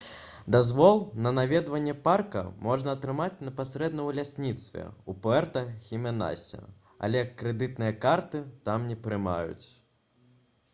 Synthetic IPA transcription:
d̪azvɔlˠnɐnavʲɛd̪vɐnʲːɛparkɐ̰mɔʐnɐːt̪ɾɨmat͡sʲnɐpasɾɛd̪nɐwlʲasʲnʲit̪st̪vʲɛ̰upɛrt̪ɐxʲimʲɛna̰sʲɐ̰ | a̰lʲɛkːɾɛd̪ɨt̪̚nɨjɐkart̪ɨt̪amnʲɛpɾɨma̰jṵt͡sʲ

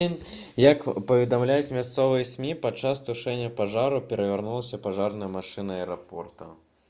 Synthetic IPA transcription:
n | jɐkpɐvʲɪd̪amlʲajɛt͡sʲmʲast̪sɔvɨjɛsʲmʲipɐt͡ʂːast̪ʊʂɛnʲːɐpaʐaɾʊpʲɛɾɐvʲarnulˠɐsʲɐpaʐarnɐjɐmaʂɨnɐɐɛɾapɔ̰rt̪ɐ

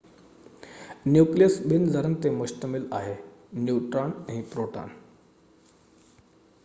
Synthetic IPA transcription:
njukliəsbind͡zəɾənt̪emuɕt̪əmilaɦenjuʈɾaɳɦĩpɾoʈa̰n

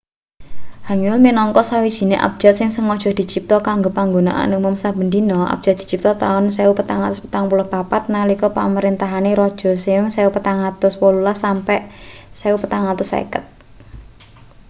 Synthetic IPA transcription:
haŋlminɔŋkɔsawid̥ʒ̥i̤neʔa̰b̥̚d͡ʒ̥at̪̚sɪŋsəŋɔd̥ʒ̥ɔ̤hd̪̥i̤t͡ʃip̚t̪ɔkaŋɡopaŋɡona̰ʔa̰numɔmsab̥ə̤nd̪inɔʔa̰b̥̚d͡ʒ̥at̪d̥̪i̤̥t͡ʃip̚t̪ɔt̪aʊnsɛupət̪aŋat̪ʊspə̥t̪aŋpulɔhpapat̪̚nalikɔpa̰məɾint̪aɦaneɾɔd̥ʒ̥ɔ̤sɪʊŋsɛupət̪aŋat̪ʊswɔlulasampɛʔsɛupət̪aŋat̪ʊsḛkət̪̚

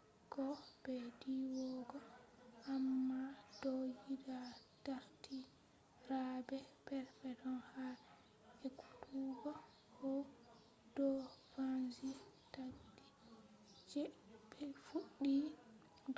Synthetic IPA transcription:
kɔbɛdiwɔɡɔ | ʔamːad̥ɔjidataɾti | rabɛpɛɾfɛdɔnha | ɛku̥tuɡɔ | hɔ | dɔfanzitadi | d͡ʒɛbɛfuɗːi

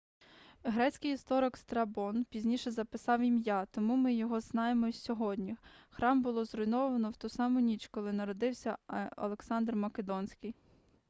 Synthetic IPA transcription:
ɦɾɛt͡sʲkɪjist̪ɔɾɪkst̪ɾɐbɔnpʲizʲnʲiʃɛzɐpɪsɑwimʲjat̪ɔmumɪjɔɦɔznɑjemɔsʲɔɦɔdʲnʲixɾɑmbʊlˠɔzrʊjnɔʋɐnɔwt̪ɔsɑmʊnʲit͡ʃkɔlˠɪnɐɾɔd̪ɪwsʲɐɐ̰lˠeksɑnd̪rmɐked̪ɔnʲsʲkɪj

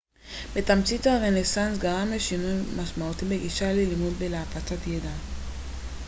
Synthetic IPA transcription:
betamt͡sithaʁenesansɡaʁameʃinujmaʃmautibeɡiʃalilimudbelaapat͡satjeda

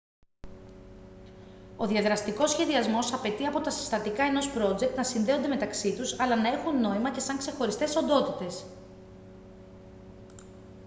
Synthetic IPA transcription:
o̞ðiɐðɾɐst̪iko̞sçe̞ðiɐzmo̞sɐpe̞t̪iɐpo̞t̪ɐsi̥st̪ɐt̪ikɐe̞no̞spɾo̞d͡ze̞k̚t̪nɐsinðe̞o̞nd̪eme̞t̪ɐksit̪usɐlɐnɐe̞xunːo̞imɐce̞sɐŋkse̞xo̞ɾist̪e̞so̞nd̪o̞t̪it̪e̞s

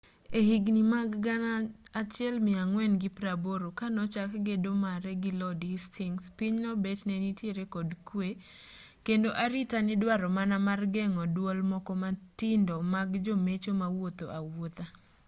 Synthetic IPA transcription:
ehiɡnimaɡɡanaːt͡ʃɪɛlmɪaŋwɛnɡɪpɾaboɾokanɔt͡ʃakɡedomaɾɛɡɪlɔdistʰiŋspiɲnɔbet͡ʃnɛnitjeɾekɔdkwe | kendoʔaɾɪtanɪdwaɾɔmanamarɡɛŋɔdwolmɔkɔmatɪndɔmaɡd͡ʒomet͡ʃomawot̪o̰ʔawot̪a

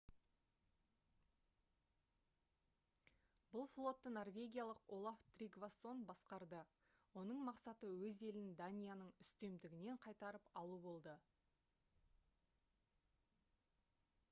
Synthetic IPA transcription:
bʊlˠflˠo̞t̪ːəno̞rvʲe̞ɡʲijalˠəqolˠaft̪rʲiɡvaso̞nbɑsqɑɾd̪ə | wo̞nəɴmɑqsɑt̪əwɵze̞lɪnd̪anʲijanəɴʏst̪e̞md̪ɪɡʲɪne̞ɴqʰɑjt̪ɑɾəpɑlˠubo̞lˠd̪ə

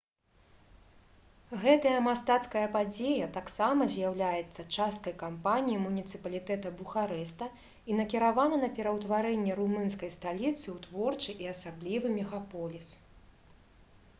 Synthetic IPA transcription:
ɣɛt̪ɐjɐmast̪at̪skɐjɐpad͡zʲejɐt̪aksamɐzʲjawlʲajɛt̪sːɐt͡ʂast̪̚kɐjkampanʲijimunʲit̪sɨpɐlʲit̪ɛt̪ɐbuxaɾɛst̪ɐ | inɐkʲiɾavanɐnɐpʲɛɾɐwt̪vaɾɛnʲːɛɾumɨnskɐjst̪alʲit̪sɨwt̪vɔrt͡ʂɨʔiɐsablʲivɨmʲɛɣapɔlʲis

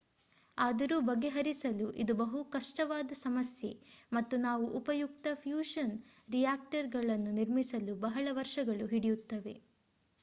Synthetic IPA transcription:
aːd̪ɐɾuːbɐɡːe̞ɦɐɾisɐluʔid̪ubɐɦukɐʂʈɐʋaːd̪ɐsɐmɐsje̞mɐt̪ːunaːʋuʔupɐjukt̪ɐpʰjuːʂɐn | ɾijaːk̚ʈɐɾɡɐɭɐnːuniɾmisɐlubɐɦɐɭɐʋɐɾʂɐɡɐɭuɦiɽijut̪ːɐʋe̞̰

